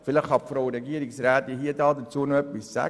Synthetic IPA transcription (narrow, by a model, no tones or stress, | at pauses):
fɪləχhɑpfɾoɾɛɡiəɾɪksɾæːt̪iɦiədɑːdət͡suənoœpɪsːæ̰